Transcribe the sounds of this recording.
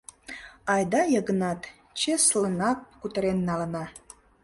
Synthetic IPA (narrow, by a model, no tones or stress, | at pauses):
ɑjd̪ɑjəɣənɑt̪ | t͡ɕeslənɑk̚kut̪əɾenːɑlənɑ